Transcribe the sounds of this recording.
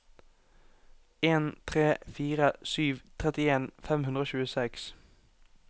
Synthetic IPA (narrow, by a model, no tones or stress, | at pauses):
eːnt̪ʰʁeːfiːʁəsyːʋt̪ʰʁɛt̪ɪeːnfɛmhʉnd̪ʁoːçʉːəsɛks